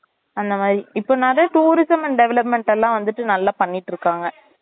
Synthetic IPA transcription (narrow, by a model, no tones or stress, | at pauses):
ɐnd̪ɐmaːðɾiɪpːoːnɐɾɐʈuːɾɪsɐmɛnɖɛʋɛlɐpmɛɳʈɛlːãːʋɐnd̪ɯʈːɯnɐlːaːpɐɳːɪʈːɾɯkːaːŋɡɐ